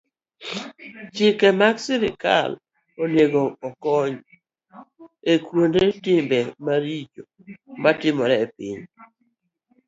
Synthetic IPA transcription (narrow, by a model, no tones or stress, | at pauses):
t͡ʃɪkɛmaɡsɪɾɪka̰l | onjeɡoːkɔɲ | ekwondetɪmbɛmaɾid͡ʒo | matɪmɔɾɛpɪ̰ɲ